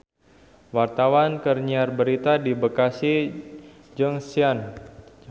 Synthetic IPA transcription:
wart̪awankərɲiarbəɾit̪adibəkasi | d͡ʒəŋsian

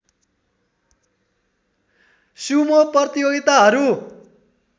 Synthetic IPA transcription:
sumopʌrt̪ijoɡit̪aɦʌɾu

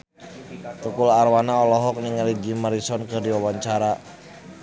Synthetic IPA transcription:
t̪ukularwanaɔlɔɦɔk̚niŋaliɡimaɾisɔnkɨrdiwawaɲt͡ʃaɾa

